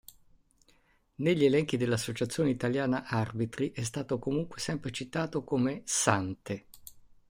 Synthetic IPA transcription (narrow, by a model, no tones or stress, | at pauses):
neʎːielɛŋk̟id̪elːasːot͡ʃat̪sːjoːneit̪aljaːnaʔarbit̪ɾiʔɛs̬t̪aːt̪okomuŋkwesɛmpɾet͡ʃit̪aːt̪okomesant̪e